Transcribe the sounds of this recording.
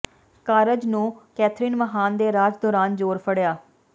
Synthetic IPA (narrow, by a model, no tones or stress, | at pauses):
kaːɾəd͡ʒnũːkɛːt̪ʰɾiːnməɦaːnd̪eːɾaːd͡ʒd̪ɔːɾaːnd͡ʒoːɾpʰəɽjaː